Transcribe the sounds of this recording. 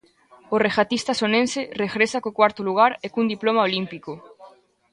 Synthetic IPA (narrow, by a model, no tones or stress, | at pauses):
oreɣat̪ist̪asonensereɣɾesakokwaɾt̪oluɣ̞aɾekund̪iplomaolimpiko